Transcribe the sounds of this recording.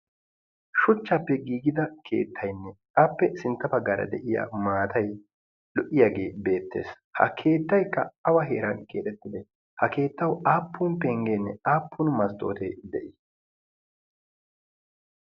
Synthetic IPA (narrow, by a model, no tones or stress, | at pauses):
ʃʊt͡ʃːaːpːɛɡiːɡɪd̪ɐkʰe̞̰ːt̪ʰːɐjnːɛ | ɐpːɛsɪnt̪ːɐpɐɡːaːɾɐ̰d̪ɛʔɪja̰ːmaːt̪ɐj | lɔʔɪjaːɡe̞ːbe̞ːt̪ːe̞̰ːs | hɐ̰kʰe̞ːt̪ːɐjkːɐɐwɐɦḛːɾɐnkʰḛːt̪ɛt̪ːɪd̪ɛ | hɐke̞ːt̪ːɐwaːpːuːnpeːŋɡeːnːɛaːpːunmɐst̪ʼo̞̰ːt̪eːd̪ɛʔɪ